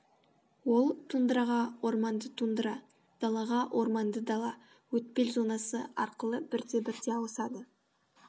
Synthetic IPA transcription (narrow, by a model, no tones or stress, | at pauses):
wo̞lˠt̪ʰund̪əɾɑʁɑwo̞ɾmɑnd̪ət̪ʰund̪əɾɑ | d̪̥ɑlˠɑʁɑwʔo̞ɾmɑnd̪əd̪ɑlˠɑ | wɵt̪̚pe̞lzo̞nɑsəɑ̰ɾqəlˠəbɪɾd̪e̞bɪɾt̪e̞ɑwəsɑd̪ə